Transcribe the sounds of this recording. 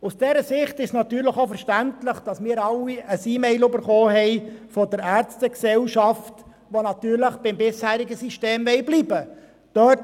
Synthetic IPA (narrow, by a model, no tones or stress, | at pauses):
usd̥ɛɾəsɪχtɪʃsnɑt̪yːɾləχofɛɾʃtæntləχd̥ɑsmɪːɾɑlːiʔəsiːmɛɪløbəɾχoːɦɛɪfɔdəɾæːɾt͡stəksɛlʃɑft | ʋonɑt̪yːɾləχb̥ɪmbɪshæːɾiɡəsiʃteːmʋɛɪbliːbə | d̥œt